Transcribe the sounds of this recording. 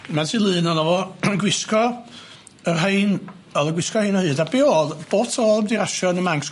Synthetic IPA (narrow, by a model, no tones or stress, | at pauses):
matʰɨːlˠɨːnɔnɔvɔɡwɪskɔ | ərɦejn | ɔðˠəɡwɪskɔhijnɔhɨːdabeɔðb̥o̥ːtʰoːlˠəmdiɾaʃɔnəmaŋks